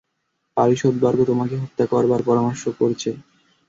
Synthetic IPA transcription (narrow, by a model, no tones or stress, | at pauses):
paɾiʃod̪baɾɡot̪omakeɦot̪ːakɔɾbaɾpɔɾamoɾʃokoɾt͡ɕʰe